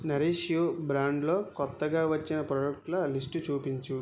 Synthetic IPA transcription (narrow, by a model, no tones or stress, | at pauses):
nɐɾeːʂijoːbɾaːɳɖlo̞ːkɔt̪ːɐɡaːʋɐt͡ʃːinɐpɾɐɖɐk̚ʈlɐlisʈut͡ʃuːpiɲt͡ʃu